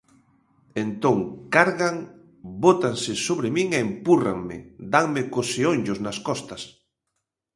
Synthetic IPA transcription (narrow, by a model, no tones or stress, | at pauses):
ent̪oŋkaɾɣaŋ | bot̪aŋsɪsoβɾɪmiŋeːmpura̰ŋmɪ̰d̪aŋmɪkoseoɲʲʎʊznaskɔst̪ɐs